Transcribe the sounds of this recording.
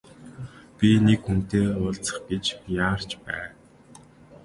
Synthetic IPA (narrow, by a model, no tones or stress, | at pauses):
pʲinekxun̥t̪eːʊːɮt͡sə̥̆χɡ̥et͡ɕjaːr̥t͡ɕpæ̰ː